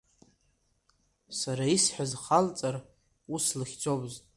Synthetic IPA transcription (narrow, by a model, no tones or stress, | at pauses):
saɾaisħazχalt͡sʼar | uslɨχʲd͡zobzʼ